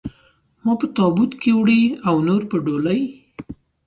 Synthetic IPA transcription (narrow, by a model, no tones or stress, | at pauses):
mɑpət̪ɑbut̪kewɽiawnoɾpəɖolaj